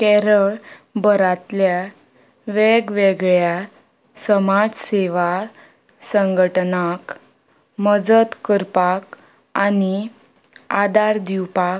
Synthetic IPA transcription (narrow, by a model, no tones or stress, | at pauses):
kɛɾəɭbəɾat̪lja | ʋeɡʋeɡɭja | səmad͡zseʋa | səŋɡʱəʈnak | məd͡zət̪kəɾpak | ani | ad̪aɾd̪iwpak